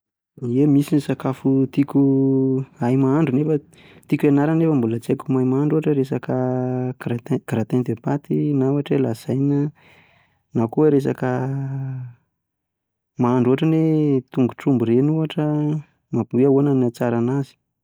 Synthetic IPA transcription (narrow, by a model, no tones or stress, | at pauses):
emisinisakafut̪ikʲu | ajmaaɳɖ͡ʐunefə | t̪ikuanaɾanefəmbulət͡sekumajmaaɳɖ͡ʐuaʈ͡ʂəɾesakəɾaɡ̥ɾat̪ent̪epat̪inawaʈ͡ʂelaz̥ajnə | nakuəɾes̬a̰kə | maaɳɖ͡ʐuɦaʈ͡ʂənet̪uŋɡuʈ͡ʂumbuɾenuaʈ͡ʂə | mabuaonanat͡saɾanazi̥